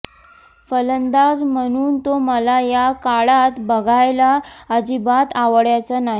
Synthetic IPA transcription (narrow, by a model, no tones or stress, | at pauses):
fələnd̪ad͡zm̤əɽ̃uːnt̪oməlajakaɭat̪bəɡʱajlaːd͡ʑibat̪aʋəɽjat͡sənaɦi